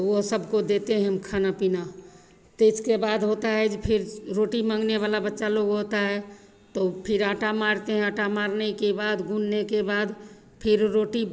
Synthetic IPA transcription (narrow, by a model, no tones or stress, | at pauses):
t̪oʋoɦsəbkod̪et̪eɦɛ̃ɦəmkʰanapina | t̪eskebad̪ɦot̪aɦɛd͡ʒpʰɪɾɾoʈimãŋɡneβalabətːʃaloɡɦot̪aɦɛ | t̪opʰɪɾaʈamaɾt̪eɦɛ̃aʈamaɾnekebaːd̪ɡunːekebaːd̪ | pʰɪɾɾoʈi